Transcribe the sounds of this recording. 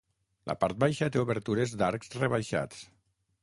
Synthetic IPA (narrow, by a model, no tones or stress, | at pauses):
lʔa̰paɾt̪̚bajʃət̪euβeɾt̪uɾezd̪aɾksreβajʃa̰t͡s